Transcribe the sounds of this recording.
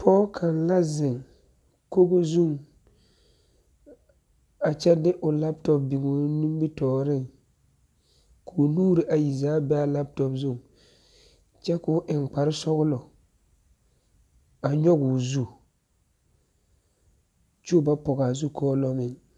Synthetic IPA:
pʰɔː˦kʰa˨nla˦zɪ˨ŋ | ko˦ɡo˦zu˦˨ŋ | a˨t͡ʃɛ˦dɪ˦ʔʊ˨la˦p̚tɔ˦p̚bi˨ɡo˨nu˦m˦bi˦tɔː˨ɾɪ˦˨ŋ | kʰo˨nuː˦ɾi˨ʔa˨ji˨zaː˦bɛ˦a˦la˦p̚tɔ˦pzu˦˨ŋ | t͡ʃɛ˦kʊ˦ʔɪ˨ŋk͡pa˨ɾɪ˦sɔ˦ɣʊ˦lɔ˨ | a˨ɲɔ˦ɡʊ˨zu˦ | t͡ʃo˦˨ba˦pɔ˨ɣa˨zu˦kʰɔː˦lɔ˦ŋɪ˦˨ŋ

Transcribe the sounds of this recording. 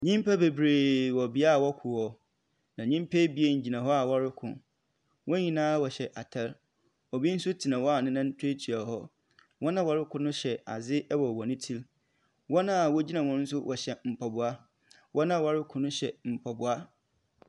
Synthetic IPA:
ɲĩ˦m˦pʰa˦be˨bɾeː˨wɔ˨bɪ˦a˦˨wɔ˦kʰʊ˨hɔ˨ | nã˨ɲĩ˦m˦pʰe˦bi˦e˦ɲ̩˨d͡ʑi˨nã˨ɦɔ˦a˨wɔ˦ɾɪ˦kʰʊ̰̃˨ | wʔɔ̃˦ɲĩ˨nãː˦wɔ˨ɕɛ˨ʔa˨tʰɛ˦l | ɔ˨bi˦n̩˦sʊ˦tʰi˨nã˨wɔ˦a˨nɪ̃˦nã˦n̩˦tʰe˦tʰi˨a˨ɦɔ˦ | wʔɔ˦nã˦wɔ˨ɾɪ˦kʰʊ̃˨nʊ̃˦ɕɛ˨a̰˨zɪ˦ɛ˦wɔ˨wɔ˨nɪ̃˦tʰi˦l | wɔ˦nã˦a˨wɔ˦d͡ʑi˦nã˨wʊ̃˦n˦n̩˦s̬ʊ˦wʔɔ˨ɕɛ˨m̩˨pʰɔ˨bʊ˨a˦ | wʔɔ˦nã˦˨wɔ˨ɾɪ˦kʰʊ̃˨nʊ̃˦ɕɛ˨m̩˨pʰɔ˨bʊ˨a˦

